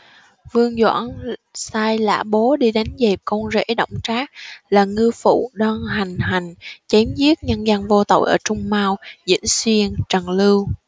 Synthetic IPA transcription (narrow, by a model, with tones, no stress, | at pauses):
vɨ˧əŋzwa̰ː˧˥nsaː˧jla̰ː˧˥ɓo˨˦ɗi˧ɗa˨˦jnzɛ˨˩p̚ko˧wnzḛ˧˥ɗə̰˧˨wŋ͡mt͡ɕaː˦˥k̚laː˨˩ŋɨ˧əfṵ˧˨ɗɔ˧nɦa˨˩jŋ̟ɦa˨˩jŋ̟t͡ɕe˨˦mzi˦˥ət̚ɲə˧nzə˧nvo˧t̪o̰˧˨jʔəː˧˩t͡ɕʊ˧ŋ͡mmaː˧wzḭ˧˥ənswi˧ənt͡ɕə˨˩ŋlɨ˧w